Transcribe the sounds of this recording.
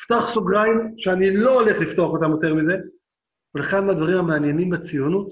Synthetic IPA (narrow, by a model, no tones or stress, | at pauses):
ft̪oaχsuɡʁaimʃeaniloːle̞χlift̪oaχo̞t̪amjo̞t̪e̞ʁmize̞ | veleχanmead̪vaʁimhameanje̞nimbet͡sijonut